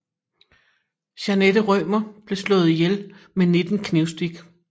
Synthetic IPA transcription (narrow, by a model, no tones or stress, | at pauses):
ɕæned̥əʁœmɐb̥le̝slɔ̽ːð̩ˠijelmene̝d̥n̩kʰneʊsd̥iɡ̥